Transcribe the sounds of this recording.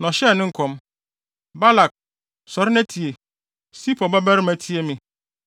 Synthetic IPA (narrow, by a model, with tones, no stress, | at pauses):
nɔ̃˨ɕɛ˦˨nɪ̃˦ŋ̩˦kʰɔ̃˨m | ba˦la˨k̚ | sɔ˨ɾɪ˦næ˦tʰi˨e˨ | si˦pɔ˨ba˦bæ˦ɾɪ˦mæ˨tʰi˦e˦mĩ˨